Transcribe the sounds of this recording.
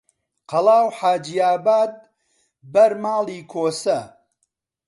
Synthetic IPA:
qɐlˠaːwħaːd͡ʒijaːbaːd̪̚ | bɐɾmaːliːkʰoːsɐ

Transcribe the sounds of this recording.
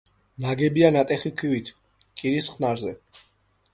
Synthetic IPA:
naɡɛbianat̪ʼɛχikʰwivit̪ʰ | kʼiɾisχnaɾzɛ

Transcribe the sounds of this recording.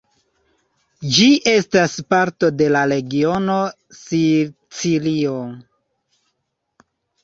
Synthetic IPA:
d͡ʒiʔe̞staspaɾto̞de̞laɾe̞ɡio̞no̞ | si | t͡silio̞

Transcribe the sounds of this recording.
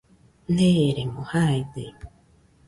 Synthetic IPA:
neɾeŋohaid̪e

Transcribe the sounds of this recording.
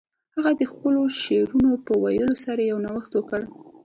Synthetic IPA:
haɣad̪əxpəloʃeɾunopəwajəlosaɾajawnawəxt̪wəkəɽ

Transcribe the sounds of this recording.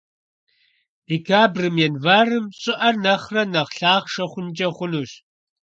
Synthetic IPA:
d̥ekʰaːbrɨmjɛnvaːrɨmɕʼɪʔɐnɐχrɐnɐχɬaːχʂɐχʷʊnt͡ʃʼɐχʷʊnuːɕ

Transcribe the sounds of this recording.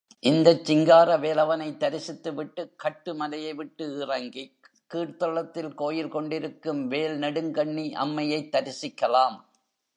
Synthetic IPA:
ʔɪnd̪ɐt͡ʃːɪŋɡaːɾɐʋeːlɐʋɐnɐɪt̪ːɐɾɪsɪt̪ːɯʋɪʈːɯkːɐʈːɯmɐlɐjɐɪʋɪʈːɯɪrɐŋɡi | kiːʈt̪ɔɭɐt̪ːɪlkoːjɪlkɔɳɖɪɾɯkːɯmʋeːlnɐɽɯŋɡɐɳːiʔɐ̰mːɐjɐɪt̪ːɐɾɪsɪkːɐlaːm

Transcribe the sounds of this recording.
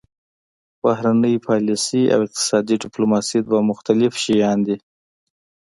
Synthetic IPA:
b̥ahɾanəjpʰɑlisia̰wɪq̚t̪ɪ̥sɑd̪iɖɪplomɑsid̪̚bamʊxt̪alɪfʃijɑnd̪i

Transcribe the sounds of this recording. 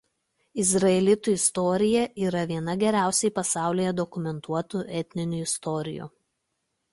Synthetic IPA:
ɪzɾɐɛlʲɪt̪uˑɪst̪ɔːɾʲɪjɛʔiːɾɐʋʲiɛn̪ɐɡʲɛɾʲæˑʊsʲɛɪpɐsɑˑʊlʲɪːjɛd̪ɔkʊmʲɛnt̪ʰuɔt̪uʔɛt̪ʲnʲɪnʲʊɪst̪ɔːɾʲɪ̰jṵːˑ

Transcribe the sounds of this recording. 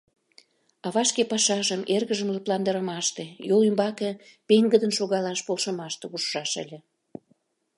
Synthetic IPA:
ɑβɑʃkepɑʃɑʒəmerɣəʒəmləplɑnd̪əɾəmɑʃt̪ejolymbɑkepeŋɡəd̪ənʃoɣɑlɑʃpolʃə̆mɑʃt̪eɣuʃːɑʃə̰lʲĕ

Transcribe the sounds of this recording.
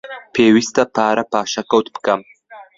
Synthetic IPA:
pʰeːwist̪ɐpʰaːɾʔɐpaːʃɐkɐwt̪̚bɨ̥kɐm

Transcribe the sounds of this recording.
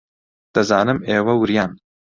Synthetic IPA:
d̪̥ɐzaːnɨmeːwɐwɨɾjaːn

